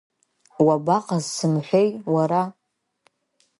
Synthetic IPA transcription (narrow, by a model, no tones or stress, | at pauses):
wabaqʼazsɨmħʷᶣejwaɾa